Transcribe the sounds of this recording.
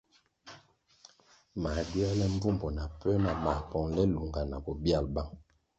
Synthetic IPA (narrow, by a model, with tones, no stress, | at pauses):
ma˨di˦a˦lɛ˦m˦b͡vu˦mbɔ˨na˨pɛ˦na˨ma˨pɔ˨ŋlɛ˦lu˨ŋɡa˨na˨bɔ˨bja˦˨lba˦ŋ